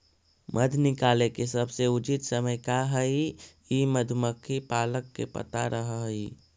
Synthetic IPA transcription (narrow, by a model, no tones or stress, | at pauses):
mʔəd̪ʱnɪkaːlekesəbʱseʊt͡ʃit̪səməjkaɦəi | iməd̪ʱməkʰːipaːləkːḛpə̰t̪a̰ɾʔəɦɦi